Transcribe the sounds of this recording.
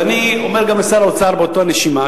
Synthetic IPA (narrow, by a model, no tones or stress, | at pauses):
nio̞me̞ʁɡamesaɾot͡saʁbeotoaneʃima